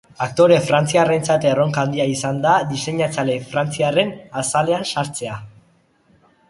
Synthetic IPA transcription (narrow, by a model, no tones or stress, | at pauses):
akt̪o̞ɾe̞fɾant͡siare̞nt͡sat̪ero̞ŋkand̪iaisand̪aðise̞ɲat͡sale̞fɾant͡siare̞nasale̞ansaɾt͡se̞a